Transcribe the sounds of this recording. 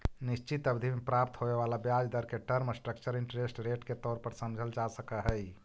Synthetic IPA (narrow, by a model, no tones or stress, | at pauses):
nist͡ʃit̪əbd̪ʱimepɾap̚t̪ɦoʋeʋalabjad͡ʒd̪əɾkeʈəɾmsʈɾəkt͡ʃəɾɪɳʈɾesʈɾeʈket̪ɔːɾpəɾsəmd͡ʒʱəld͡ʒasəkəɦəj